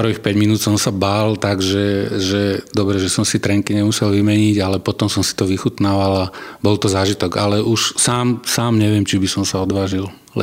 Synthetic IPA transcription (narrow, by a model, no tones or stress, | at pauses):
pr̩ʋixpɛɟminuːt̪sɔmsabaːlt̪aɡʒɛʒɛd̪ɔbɾɛʒɛsɔmsit̪ɾɛŋkiɲɛmusɛlʋimɛɲiːɟalɛpɔt̪ɔmsɔmsi̥t̪ɔʋixut̪naːʋalabɔlt̪ɔzaːʒit̪ɔɡalɛʔuʃsaːmsaːmɲɛʋɪɛmt͡ʃibisɔmsaɔd̪ʋaːʒil